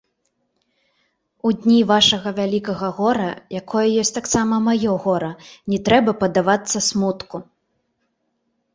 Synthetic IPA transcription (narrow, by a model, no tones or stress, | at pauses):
ud̪ʲnʲivaʂɐɣɐvʲalʲikɐɣɐɣɔɾɐ̰jakʰɔjɐjɔsʲt̪aksamɐmajɔɣɔɾɐnʲɛt̪ɾɛbɐpɐd̪avat̪sːɐsmut̪ku